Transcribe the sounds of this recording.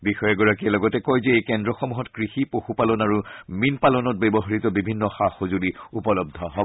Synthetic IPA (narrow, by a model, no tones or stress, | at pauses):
bixɔjɛɡɔɹakiɛlɔɡɔtɛkɔjzɛejkɛndɹɔxɔmuɦɔtkɹixipoxupalɔnaɹuminpalɔnɔt̚bɛbɔɦaɹitɔbibʱinːɔxaxozuliupɔlɔb̚d̪ʱɔɦɔbɔ